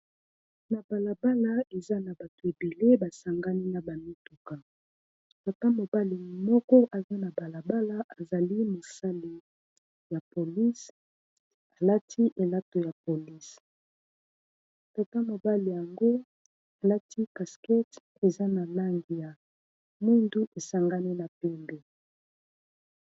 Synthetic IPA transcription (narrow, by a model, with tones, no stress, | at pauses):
na˨ba˨la˨ba˦la˦e˨za˦na˨ba˨to˨e˨be˨le˦ba˨sa˨ŋɡa˦li˦na˨ba˨mi˦tu˨ka˨ | ka˨ta˦mo˨ba˦li˨˦mɔ˦kɔ˦ʔa˨za˦na˨ba˨la˨ba˦la˦ʔa˨za˨li˦mo˨sa˦li˨ | ja˨po˨li˦s | a˨la˦tʰi˦ʔe˨la˦to˨ja˨po˨li˦s | ta˨ta˦mo˨ba˦li˨ja˨ŋɡo˦ | a˨la˦tʰi˦ka˨skɛ˦t | e˨za˦na˨la˦ŋɡi˨ja˨ | mu˦ndu˦ʔe˨sa˨ŋɡa˦ni˦na˨pɛ˦mbe˨